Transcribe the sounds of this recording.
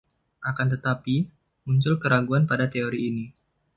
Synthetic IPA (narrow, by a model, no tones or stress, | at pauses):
ʔakant̪ət̪api | muɲt͡ʃʊlkəɾaɡuanpadat̪eoɾiːni